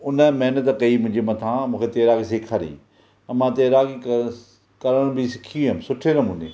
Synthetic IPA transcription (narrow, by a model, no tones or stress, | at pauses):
ʊnəmɛɦnət̪kɐimʊ̃ɦd͡ʑemɐ̃t̪ʰãːmũːkʰet̪eːɾaːɡiseːkʰaːɾḭ̃ː | mãːt̪eːɾaːɡi | kɐɾəɽ̃bɪsɪ̥kʰiũemsʊʈʰeɾɐmũːnḛː